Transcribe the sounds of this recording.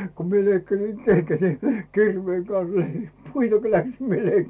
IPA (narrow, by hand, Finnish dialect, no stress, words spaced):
ku mie leikːɑsi keŋɡ̊æt ni kirʋeːŋ kɑn̞s lei puitɑ ko læksim mie løi